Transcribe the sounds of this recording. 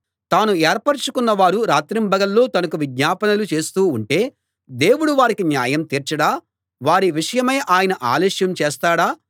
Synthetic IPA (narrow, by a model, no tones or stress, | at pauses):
t̪aːnuɛːɾpɐɾt͡ʃukunːɐʋaːɾuɾaːt̪ɾimbɐɡɐlːo̞ːt̪ɐnɐkuʋid̪ɲaːpɐnɐlut͡ʃe̞ːst̪uːɳʈe̞ː | d̪e̞ːwuɽuʋaːɾikinjaːjɐmt̪iːɾt͡ʃɐɽaː | ʋaːɾiʋiʂɐjɐmɐjʔaːjɐnɐʔa̰ːlɛːʂjɐmt͡ʃeːst̪aːɽaː